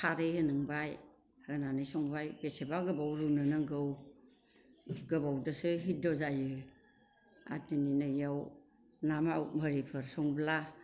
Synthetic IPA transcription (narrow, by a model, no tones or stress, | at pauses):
kʰaɾejhɯnɯŋbaj | haɡnanɯjsɔŋbajbesebaɡɯbawɾunɯnɯŋɡɯw | ɡɯbawdɯsɯɦidɔzajɯ | a̰tininɯjaw | namawmɯɾipʰɯɾsɔŋbla